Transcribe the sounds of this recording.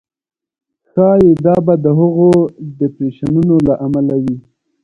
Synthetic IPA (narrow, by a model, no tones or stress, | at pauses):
xɑjed̪ɑbad̪əɦʊɣod̪əpɾeʃanunolaʔamalawi